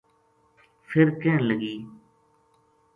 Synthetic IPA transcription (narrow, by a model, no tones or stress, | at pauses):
fʰɪɾkẽːləɡiː